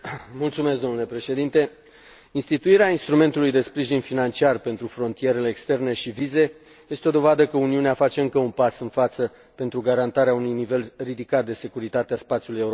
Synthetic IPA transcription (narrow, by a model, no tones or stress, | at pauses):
mult̪sume̞sk̚d̪onule̞pɾe̞ʃe̞d̪int̪e̞ | inst̪it̪uiɾeainst̪ɾume̞nt̪ulujd̪e̞spɾiʒinfinant͡ʃiarpe̞nt̪ɾufɾo̞nt̪ije̞ɾe̞leːkst̪e̞rne̞ʃivize̞ | je̞st̪eo̞d̪o̞vad̪əkəuniuneafat͡ʃe̞ɨŋkəunpasɨnfat̪sə | pe̞nt̪ɾuɡaɾant̪aɾeaunujnive̞lrid̪ikat̪̚d̪e̞se̞kuɾit̪at̪easpat̪siulujeuɾo